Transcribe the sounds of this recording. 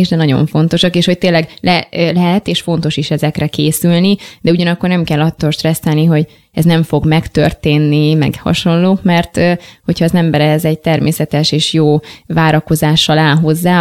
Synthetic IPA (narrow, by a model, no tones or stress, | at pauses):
iʒd̪ɛnɒɟo̞̰ɱfo̞nt̪o̞ʃɒkeːʃho̞c̚t̪eːnlːɛɡlɛlɛɦɛt̪eːʃfo̞n̪t̪o̞ʃiʃɛzɛkrɛkeːsylnid̪ɛuɟɒnɒkːo̞rnɛmkɛlːɒt̪ːoːlʃt̪rɛsːɛlniɦo̞ɟ | ɛznɛɱfo̞ɡmɛkt̪ø̰rt̪eːnːimɛ̰ɡhɒ̰ʃo̞nloːkmɛrt̪ho̞cʰhɒːzɛmbɛɾɛɦɛzɛɟ̚t̪ɛrmeːsɛt̪ɛʃeːʃjoːvaːɾɒko̞zaːʃːɒlaːlɦo̞zːaː